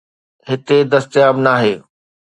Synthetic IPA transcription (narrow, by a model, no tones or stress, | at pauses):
ɦɪt̪ed̪ɐst̪jaːbnaːɦeː